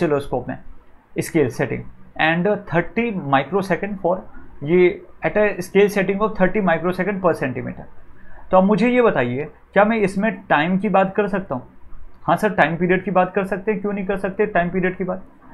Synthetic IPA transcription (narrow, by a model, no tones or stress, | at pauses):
sɪloːskoːpmḛ̃ɪskeːlseːʈɪ̰̃ŋɡɛ̃ːɳɖt̪ʰəɾʈimaːɪkɾosɛkə̃ɳɖfɔːɾjeɛːʈaɪskeːlseʈɪ̃ŋɡɔːʋt̪ʰɐɾʈimaːɪkɾosɛkə̃ɳɖpɐɾsɛ̃ɳʈimḭːʈəɾt̪oɐbmʊd͡ʒʱejebɐt̪aːie | kjaːmɛ̃ɪsmẽʈaːɪmkibaːt̪kɐɾsɐk̚t̪aɦũːhãsɐɾʈaːɪ̃mpiːɾiəɖkibaːt̪kɐɾsɐk̚t̪ẽɦɛ̃kjõnɐɦĩk̬ɐɾsɐk̚t̪eɛʈaːɪmpiːɾijəɖkibaːt̪̚